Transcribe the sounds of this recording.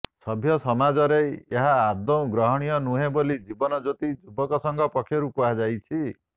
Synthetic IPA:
sɔbʱjɔsɔmad͡ʒɔɾeeɦaːd̪ɔ̃ɡɾɔɦɔɽ̃ijɔnuɦebolid͡ʒibɔnɔd͡ʒot̪id͡ʒubɔkɔsɔŋɡʱɔpɔkʰːjɔɾukuɦad͡ʒajt͡ʃʰi

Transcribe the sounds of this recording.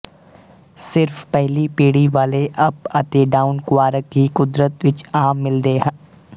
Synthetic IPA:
sɪɾfpɛɦlipiːɽiʋaːleʔɐpɐt̪eɖaːʊnkʋaːɾəkɦikʊd̪ɾət̪ʋɪt͡ʃaːmːɪld̪eːɦɛ̃

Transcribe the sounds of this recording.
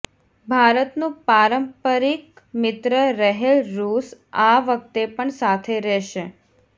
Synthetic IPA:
bʱaɾət̪nũpaɾəmpəɾik | mɪt̪ɾəɾəɦelɾusaʋək̚t̪epəɳsat̪ʰeɾɛʃe

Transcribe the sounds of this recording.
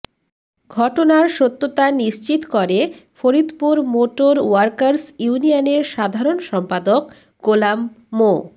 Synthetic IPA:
ɡʱɔʈonaɾʃot̪ːot̪aniʃt͡ɕit̪kɔɾefoɾid̪puɾmoʈoɾwaɾkaɾsjunianeɾʃad̪ʱaɾonʃɔmpad̪ok | ɡolamː | o

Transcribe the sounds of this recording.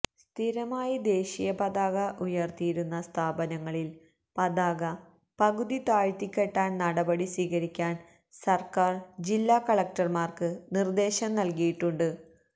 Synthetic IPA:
st̪ʰiɾɐmaːjid̪e̞ːɕijɐpɐðaːɣɐʔujɐrt̪ijiɾunːɐst̪ʰaːbɐnɐŋːɐɭil | pɐðaːɣɐ | pɐɣuðit̪aːɻt̪ikʲːeʈːaːnnɐɽɐbɐɽiswiːɣɐɾikʲːaːn | sɐrkaːrd͡ʑilːaːkɐɭɐk̚ʈɐrmaːrkɨnird̪e̞ːɕɐmnɐlkijiʈːuɳɖɨ

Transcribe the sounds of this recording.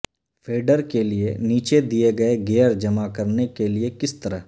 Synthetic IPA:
fʰeːɖəɾkelieniːt͡ʃed̪ieɡɐeɡeːəɾd͡ʒɐmakɐɾnekeliekɪst̪ɐɾəɦ

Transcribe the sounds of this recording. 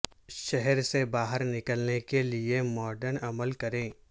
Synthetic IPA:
ʃɛɦɛɾsebaːɦəɾnɪkəlnekeliemɔːɾɖəɾnɐməlkɐɾẽː

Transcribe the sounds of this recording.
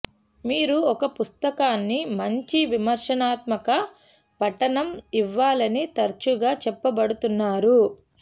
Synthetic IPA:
miːɾuɔkɐpust̪ɐkaːnːimɐɲt͡ʃiʋimɐɾʂɐnaːt̪̚mɐkɐ | pɐʈɐnɐmiʋːaːlɐnit̪ɐɾt͡ʃuɡaːt͡ʃɛpːɐbɐɽut̪unːaːɾu

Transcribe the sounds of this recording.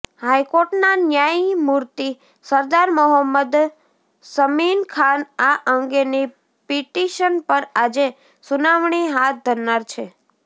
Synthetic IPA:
hajkoɾʈnanjaimuɾt̪i | səɾd̪aɾməɦəmːəd̪ | səminkʰanaʔəŋɡeni | piʈiʃənpəɾad͡ʒe | sunaʋɳiɦat̪̚ʰd̪ʱəɾnaɾt͡ʃʰe

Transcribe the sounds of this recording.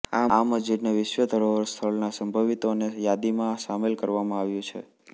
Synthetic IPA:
aaməd͡ʒiɾneʋɪʃʋəd̪ʱəɾoɦəɾst̪ʰəɭnasəmbʱəʋit̪onejad̪imãsamelkəɾʋamãaʋjũt͡ʃʰḛ

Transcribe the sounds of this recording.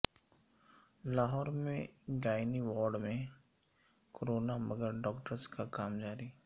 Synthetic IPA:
laːɦɔːɾmẽɡaːɪniʋɔːɾɖmẽ | koɾoːnamɐɡəɾɖɔːkʈəɾskakaːmd͡ʒaːɾi

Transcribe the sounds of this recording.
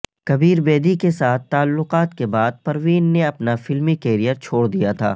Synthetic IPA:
kɐbiːɾbeːd̪ikesaːt̪ʰːaːlːʊqaːt̪kebaːd̪̚pɐɾʋiːnːeɐpnafɪlmikeːɾijəɾt͡ʃʰoːɽd̪ijat̪ʰa̰ː

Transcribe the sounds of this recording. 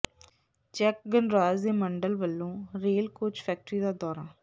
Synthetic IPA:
t͡ʃɛːk̚ɡənɾaːzd̪eːməɳɖəlʋəlːõːɾeːlkoːt͡ʃpʰɛːk̚ʈɾiːd̪aːd̪ɔːɾaː

